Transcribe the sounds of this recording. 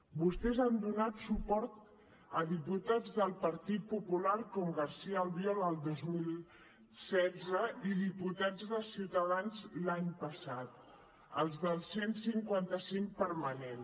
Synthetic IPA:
bust̪ɛzand̪unat̪supɔɾt̪ | əðiput̪ad͡zðəlˠpəɾt̪it̪̚pupulaɾkɔmɡəɾsiəːlˠβjɔləlˠd̪ozmilˠ | sɛd͡zzəiðiput̪ad͡zðəsiuwt̪əðanzlaɲpəsat̪̚ | əlˠzðəlˠsensiŋkwant̪əsiŋk̚pəɾmənen

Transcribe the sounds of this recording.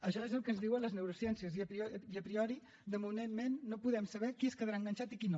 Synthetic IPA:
əʃɔezəlˠkəzðiwələznewɾusjɛnsiəziəiəpɾiɔɾi | d̪əmunenmenːopuðɛmsəβɛkiəskəðɾaəŋɡənʲt͡ʃat̪ikino

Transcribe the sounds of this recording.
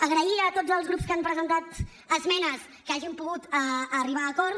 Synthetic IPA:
əɣɾəiət̪od͡zəlˠzɣɾupskampɾəzənt̪at̪ | əzmɛnəs | kəaʒimpuɣut̪əəriβ̞aːkɔɾ

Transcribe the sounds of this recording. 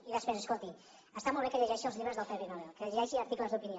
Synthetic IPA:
iðəspɾesəskolˠt̪i | əst̪amolˠβekəʎəʒɛʃiəlˠzʎiβɾəzðəlˠfɛβiðalɛlˠkəʎəʒɛʃiəɾt̪ikləzðupinjo

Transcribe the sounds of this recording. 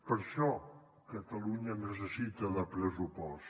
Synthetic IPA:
pəɾʃɔ | kət̪əluɲənəs̬əsit̪əðəpɾəsupɔs

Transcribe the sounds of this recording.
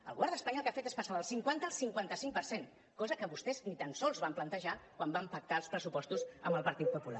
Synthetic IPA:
ə̰lˠɣuβɛɾðəspəɲɔlˠkafet̪espəsaðəlˠsiŋkwant̪əːlˠsiŋkwant̪əsiŋk̚pəɾsen | kɔzəkəβust̪ɛznit̪ansɔlˠzβamplənt̪əʒakwambampək̚t̪aəlˠspɾəsupɔst̪uzə̰mbəlˠpəɾt̪it̪̚pupula̰

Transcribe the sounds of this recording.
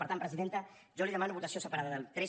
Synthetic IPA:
pəɾt̪ampɾəziðent̪ə | ʒɔliðəmanuβut̪əsiosəpəɾaðəðət̪ɾɛ

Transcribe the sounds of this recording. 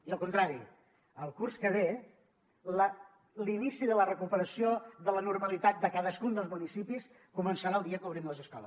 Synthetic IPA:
iəlˠkunt̪ɾaɾi | əlˠkurskəβe | lə | linisiðələrəkupəɾəsioðələnurməlit̪at̪̚d̪əkaðəskund̪əlˠzmunisipis | kumənsaɾaəlˠiəkuβɾimləzəskɔlˠəs

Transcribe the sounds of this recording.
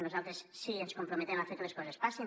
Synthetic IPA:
nozalˠt̪ɾessienskompɾomet̪emafeɾkeleskozespase

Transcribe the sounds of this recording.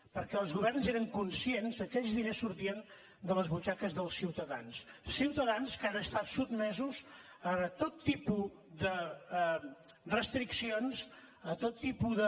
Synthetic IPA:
pəɾkɛəlˠzɣuβɛrnzeɾəŋkunsienzəkɛʎzðinesːuɾt̪iən | d̪ələzβut͡ʃakəzðəlˠsiwt̪əðanssiwt̪əðanskanəst̪at̪sud̪̚mɛzuz | ət̪ot̪ːipu | ðə | rəst̪ɾiksionz | ət̪ot̪ːipuðə

